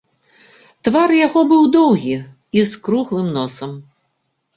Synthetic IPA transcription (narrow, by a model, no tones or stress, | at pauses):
t̪varjaɣɔbɨwd̪ɔwɣʲi | iskɾuɣlˠɨmnɔsɐm